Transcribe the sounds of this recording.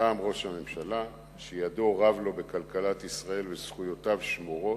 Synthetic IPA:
aːmʁo̞ʃhamemʃala | ʃejad̪oʁavlo̞be̞kalkalat̪isʁae̞lvesχujo̞tavʃmoʁo̞

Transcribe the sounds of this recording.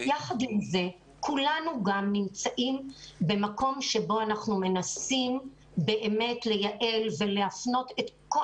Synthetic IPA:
jaχad̪imze̞ | kʰulanuɡamnimt͡saʔimbe̞mako̞mʃe̞bo̞anaχnume̞nasim | be̞ʔeme̞tle̞jaʔe̞lve̞leafno̞te̞tko

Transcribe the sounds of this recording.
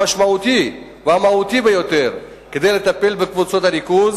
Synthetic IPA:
aʃmaut̪i | veamaut̪ibejo̞t̪e̞ʁ | ke̞d̪ejle̞t̪ape̞lbekvut͡so̞t̪hanikuz

